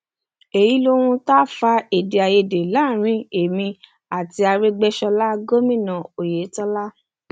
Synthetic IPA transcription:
e˨ji˨˦lo˦ɾ̃ũ˦ta˦fa˧e˨de˨a˨je˧de˨la˨˦˨ɾ̃ĩ˧˦e˨mĩ˧ | a˨ti˧a˧ɾe˦ɡ͡bɛ˦ʃɔ˧la˦ɡo˦mĩ˦˨nã˨o˨je˨˦tɔ˦la˦

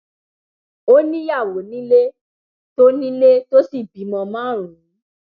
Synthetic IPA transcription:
o˦nĩ˦ja˦˨wo˨˦nĩ˦le˦ | to˦nĩ˦le˦to˦si˦˨bi˨˦mɔ̃˧mãː˦˨ɾ̃ũ˨˦

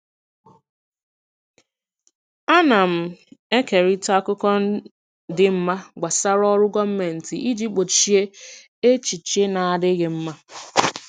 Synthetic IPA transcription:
a˦na˨m̩˨e˦ke˨ɾi˦ta˦kʊ˦kɔ˦ | dɪ˦m̩˦ma˦ɡ͡ba˨sa˦ɾɔ˦ɾʊ˦ɡɔ˦m̩˦me˨n̩˨tɪ˨ʔi˦d͡ʒi˦k͡po˨t͡ʃi˦e˦ | e˦t͡ʃi˨t͡ʃe˦na˨a˨dɪ˦ɣɪ˨m̩˦ma˦

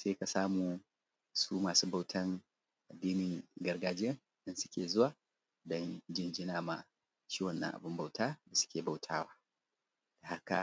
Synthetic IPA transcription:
seː˦ka˨saː˦muː˨ | suː˦maː˨suː˦ba˨wtʰɐ˦ŋ | ʔa˨dːiː˦nɪ˨ŋɡɐ˨rɡaː˨d͡ʒɪ˦jɐ˦˨n | ɗɐ˦nsʊ̥˦kʲeː˨zʊ˦waː˨ | dɔ˦nd͡ʒɪ˦nd͡ʒɪ˦naː˨ma̰˨ | t͡ʃiː˦wɐ˨nːɐ̰˨ŋʔa̰˨bʊ˦mba˨wtaː˦da˨sʊ̥˦kʲeː˨ba˨wtʰaː˦waː˦ | d̥a˨ha˦ka̰˨

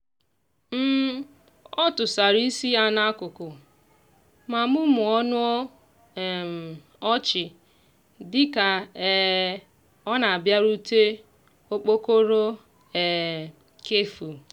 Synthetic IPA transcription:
m̩˦ | ɔ˦tʊ˨sa˨ɾi˦si˦a˨na˦a˦kʊ˨kʊ˨ | ma˨mʊ˦mʊ˨ɔ˦nʊ˦ɔ˦˨ | ɔ˦t͡ʃɪ˨ | dɪ˦ka˨ | ɔ˦na˨a˨bja˦ɾu˦te˦ | o˦k͡po˦ko˦ɾo˦ | ɛ˨ | ke˦fu˨

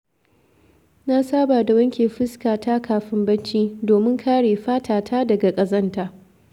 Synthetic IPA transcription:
na˦saː˦baː˨da˨wɐ˦ŋkʲeː˨ɸɪ˦skaː˨tʰa˦kʰaː˨ɸɪ˦mbɐ˦t͡ʃiː˦doː˨mɪ˦ŋkʰaː˦ɽeː˨ɸaː˦tʰaː˨tʰaː˦dɐ˨ɡa˨kʼɐ˨zɐ˦ntaː˦

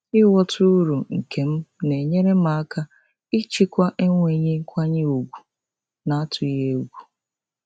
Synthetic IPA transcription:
ɪ˦wɔ˦tʊ˦ɾu˨ŋ̩˨kʰe˨m̩˦ne˨ɲe˦ɾe˦m˦a˨a˦ka˦ | i˦t͡ʃi˦kʷa˦ʔe˦ŋʷe˨ɲe˦ŋ̩˦kʷa˦ɲe˦o˨ɡʷu˨ | na˨a˦tʰʊ˨je˦ɡʷu˨

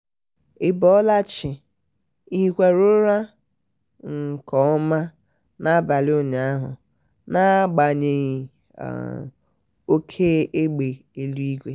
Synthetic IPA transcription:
ɪ˦bɔ˦la˦t͡ʃɪ˨ | i˦ɦi˦kʷe˦ɾʊ˦ɾa˦ | ŋ̩˨kɔ˦ɔ˦ma˦ | na˦ba˨lɪ˦o˦ɲ˨a˦ɦʊ̰˨ | na˦ɡ͡ba˨ɲe˦ɣ̰ | o˦kʰe˦e˦ɡ͡be˨e˨lu˦i˦ɡʷe˦

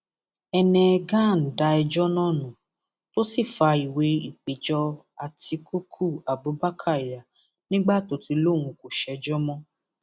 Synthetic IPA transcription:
ɛ˧nɛ̃˧ɡã˦˨n̩˨da˧˦ɛ˧d͡ʒɔ˦nãː˦˨nũ˨ | to˦si˦˨fa˧i˨we˧˦i˨k͡pe˨d͡ʒɔ˧ | a˨ti˧kʰu˦kʰu˦˨a˨bu˨˦ba˦kʰa˦˨i˨ja˨ | nĩ˦ɡ͡ba˦˨to˨ti˧lo˦˨w̃ũ˧ko˨ʃɛ˧d͡ʒɔ˦mɔ̃˦

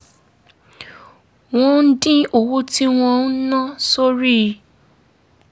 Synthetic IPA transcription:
w̃ɔ̃˧n̩˦dĩ˦o˨wo˦ti˦w̃ɔ̃˧n̩˦nã˦so˦ɾi˦

